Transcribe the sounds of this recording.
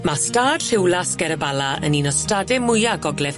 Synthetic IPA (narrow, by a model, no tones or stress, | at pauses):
mastaːd̥r̥ɪwlˠasɡɛɾəbalˠaə̰ninɔstadɛmʊjaɡɔɡlɛð̥